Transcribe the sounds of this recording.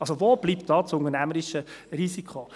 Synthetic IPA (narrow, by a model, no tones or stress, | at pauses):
ɑlsoʋoːb̥liːptd̥ɑːt͡sʊnənæməɾɪʃərisikʰo